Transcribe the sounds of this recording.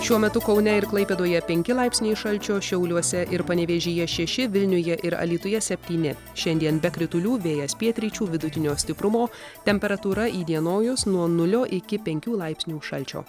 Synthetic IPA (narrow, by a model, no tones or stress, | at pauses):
ʃʲuɔmʲɛt̪ʊkɒʊnʲɛɪɾklˠɐɪpʲeːd̪oːjɛpʲɛŋʲkʲɪlˠɐɪpʲsʲnʲɛɪʃɐlʲt͡ʃʲoːʃʲɛʊlʲuɔsʲɛʔɪɾpɐnʲɛʋʲeːʒʲiːjɛʃʲɛʃʲɪʋʲɪlʲnʲʊjɛʔɪɾɐ̰lʲiːt̪ʊjɛsʲɛpʲt̪ʲiːnʲɪ | ʃʲɛnʲd̪ʲiɛnbʲɛkɾʲɪt̪ʊlʲuːʋʲeːjɛspʲiɛt̪ʲɾʲiːt͡ʃʲuːʋʲɪd̪ʊt̪ʲɪnʲoːsʲt̪ʲɪpɾʊmoː | t̪ʲɛmʲpʲɛɾɐt̪uːɾɐiːd̪ʲiɛnoːjʊsnuɔnʊlʲoːʔɪkʲɪpʲɛŋʲkʲuːlˠɐɪpʲsʲnʲuːʃɐlʲt͡ʃʲo̰ː